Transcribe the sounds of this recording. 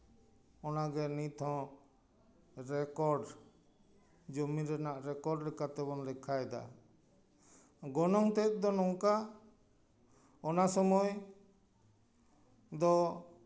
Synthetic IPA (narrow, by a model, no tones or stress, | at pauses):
ɔnaɡɛnit̪ʰɔ̃ | ɾɛkɔɾɖ | d͡ʒomiɾɛnaʔɾɛkɔɖlɛkat̪ɛbɔnlɛkʰajd̪a̰ | ɡɔnɔŋt̪ɛt̪̚ˀd̪ɔnɔŋka | ɔnasɔmɔj | d̪ɔ